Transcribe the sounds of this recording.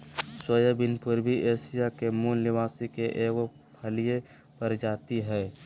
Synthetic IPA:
swəjəbɪnpʊɾbʱiʔeːsɪjakemuːnːɪʋaːsikeʔeːɡo | pʰəlije | pəɾd͡ʒaːt̪iɦɛː

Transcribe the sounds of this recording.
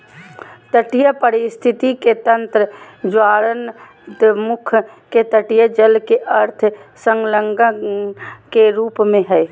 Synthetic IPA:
t̪əʈijəpəɾɪst̪ʰɪt̪iket̪ə̃nt̪ɾə | d͡ʒwaːɾən | d̪mʊkʰ | ket̪əʈijəd͡ʒəlkeʔɐɾt̪ʰsəŋləŋɡə | keɾuːpmẽɦɛː

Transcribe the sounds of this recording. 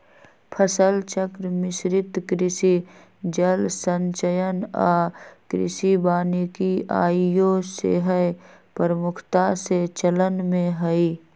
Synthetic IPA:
pʰəsəlt͡ʃəkɾmɪsɾɪt̪kɾɪsi | d͡ʒəlsə̃nt͡ʃəjənaːkɾɪ̰sibaːnikia̰ːjosḛɦəjpəɾəmʊkʰt̪aset͡ʃələnmẽɦəi

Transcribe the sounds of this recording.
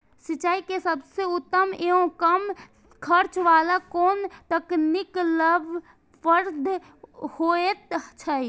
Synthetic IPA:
siaikesəbʱseut̪ːəmeõkəm | kʰəɾt͡ʃʋalakont̪əknikləbʱ | pəɾd̪ʱ | hoet̪t͡ʃʰəj

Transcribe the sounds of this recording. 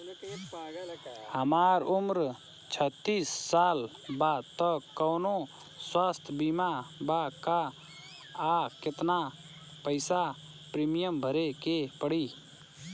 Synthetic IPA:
həmaːɾʊmɾ | t͡ʃʰət̪ːiːsːaːl | bat̪əkːəwno | swaːst̪ʰbimabakaː | kɪt̪na | pəɪsa | pɾimijəmbʱəɾekepəɽi

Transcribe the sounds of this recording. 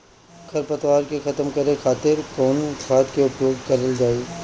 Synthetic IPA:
kʰɐɾpɐt̪waːɾkexɐt̪əmkɐɾẽxʰaːt̪ɪɾkoːnt̪faːt̪keʊpjoːɡkɐɾeld͡ʒaːeː

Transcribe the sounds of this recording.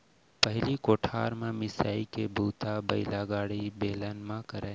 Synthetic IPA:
pəɦɪlikoːʈʰaːɾmãmɪsaːikebʱuːt̪abəɪlaɡaːɽibeːlənmãkəɾeː

